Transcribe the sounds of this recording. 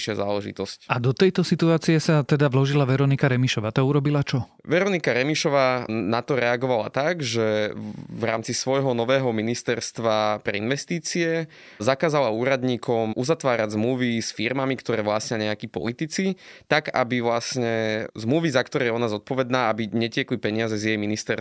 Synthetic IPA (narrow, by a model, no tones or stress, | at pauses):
ʃɪaza̰ːlɛʒḭt̪ɔscad̪ɔt̪ɛjt̪ɔsit̪uaːt͡sijɛsat̪ɛd̪aʋlɔʒilaʋɛɾɔnikaɾɛmiʃɔʋaːt̪auɾɔbilat͡ʃɔ | ʋɛɾɔnikaɾɛmiʃɔʋaːnat̪ɔɾɛaɡɔʋala̰t̪aɡʒɛvɾa̰ːmt͡sisʋɔjɦɔnɔʋɛːɦɔminist̪ɛɾst̪ʋapɾɛ̰inʋɛst̪iːt͡siɛ | zakaːzalauːɾad̪ɲiːkɔmʔuzat̪ʋaːɾaɟzmluʋisfiɾmamikt̪ɔɾɛːʋlasɲɛɲɛakiːpɔ̰lit̪it͡sit̪aɡa̰biʋlasɲɛzmluʋizakt̪ɔɾɛjɔnazɔt̪̚pɔʋɛd̪naːabiɲɛcɪɛklipɛɲɪazɛzjɛjminist̪ɛɾ